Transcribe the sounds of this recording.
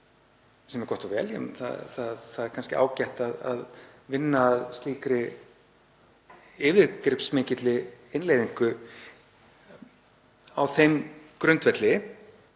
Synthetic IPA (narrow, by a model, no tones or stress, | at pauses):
sɛmɛɾkɔht̪avɛ̰ːljɛ̰mnθa̰θaðθaðɛɾ̥kʰanscɪ̰ʔa̰ːwcajht̪aða̰ð | vɪnːaːðst̪liːkɾɪ | ɪːvɪkɾɪpsmɪːcɪt̪lɪɪnleːjðiŋkʏ | awθejmkɾʏnt̪vɛt̪lɪ